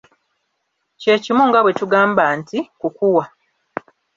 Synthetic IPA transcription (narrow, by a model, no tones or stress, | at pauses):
ceːcimuŋɡaβwe̞tuɡaːmbantikukuwa